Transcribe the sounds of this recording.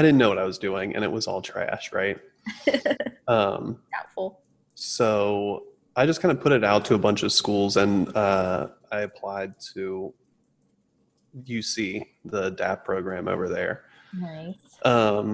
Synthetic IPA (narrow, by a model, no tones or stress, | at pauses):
aɪɾɪdⁿn̩nːoʊwʌɾaɪwʌzdʉɪ̃ŋʔɨ̰̃ñɨ̰ʔwʌzɔ̰lˠtʰɹ̥æ̰ʃɹa̰ɪt̚ | ʌ̃md̥aʊtfl̩ˠ | soʊ | ʔaɪd͡ʒʌskʰãɪ̃ndəpʰʊɾɨɾaʊtʰɨːbʌ̃nt͡ʃʌv̥skulˠzɨ̃nʌaɪɨpʰl̥aɪd̚tʰɨ | jɨsi | ðədæ̰f̚pʰɹ̥oʊɡɹæ̃mo̰ʊvə˞ðə̰˞naɪ | ʔʌ̃m